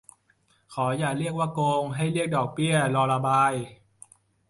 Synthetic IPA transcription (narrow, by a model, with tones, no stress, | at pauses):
kʰɔː˩˦jaː˨˩k̚ɾi˥˩ək̚waː˥˩koː˧ŋɦa˥˩jɾi˥˩ək̚dɔː˨˩k̚bi˥˩əlɔː˧la˧baː˧j